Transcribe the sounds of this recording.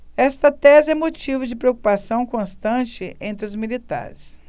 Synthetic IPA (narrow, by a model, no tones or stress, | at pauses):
ɛst̪ɐt̪ɛzɪɛmot͡ʃivʊd͡ʒɪpɾeoku̥pasɐ̃w̃kõst̪ɐ̃t͡ʃɪẽnt̪ɾɪʊzmilit̪a̰ɾɪs